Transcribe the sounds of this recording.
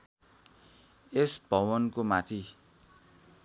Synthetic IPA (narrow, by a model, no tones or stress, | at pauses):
esbʱʌwʌnkomat̪ʰi